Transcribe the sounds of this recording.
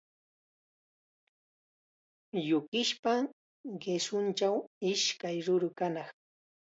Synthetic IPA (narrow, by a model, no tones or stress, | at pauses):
jʊkɪʃpa | ɢesʊnt͡ʃawɪʃkajɾʊɾʊkanɑχ